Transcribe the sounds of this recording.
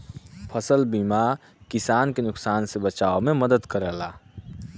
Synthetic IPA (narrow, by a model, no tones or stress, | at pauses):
pʰəsəlbima | kɪsaːnkenʊksaːnsebət͡ʃaːomẽməd̪əd̪kəɾəlaː